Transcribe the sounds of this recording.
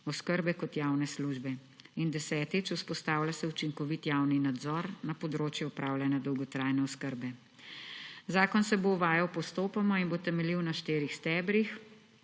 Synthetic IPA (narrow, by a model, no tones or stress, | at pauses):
ɔskəɾbɛkɔt̪jaːwnɛsluʒbɛ | ind̪ɛsɛːt̪it͡ʃuspɔst̪aːwlʲjasɛut͡ʃiŋkɔʋit̪jawninad̪zɔɾnapɔd̪ɾoːt͡ʃjɛupɾaːwlʲanjad̪ɔwɡɔt̪ɾaːjnɛɔskəɾbɛ | zaːkɔnsɛboʋaːjawpɔst̪oːpamɔinbot̪ɛmɛliwnaʃt̪eːɾixst̪ɛːbɾix